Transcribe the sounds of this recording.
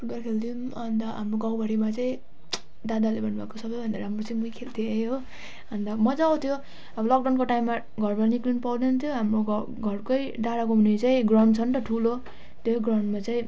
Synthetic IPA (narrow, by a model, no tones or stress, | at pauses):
puɡarkʰeld̪ium | ʌnd̪ʌɦamroɡawbʌɾimat͡saĩ | d̪ad̪alebʱʌnbʱakosʌbʌjbʱʌnd̪aɾɦamrot͡saĩmuikʰelt̪ʰiejo | ʌnd̪ʌmʌd͡zaːwt̪ʰjo | ʌbʌlʌk̚ɖawnkoʈaimːa | ɡʱʌrbaniklinpawd̪eunt̪ʰjoɦamroɡ | ɡʱʌrkojɖaɾakoɦunet͡saĩɡrʌnt͡sʰʌnt̪ʌʈʰulo | t̪joɡrawnmat͡saĩ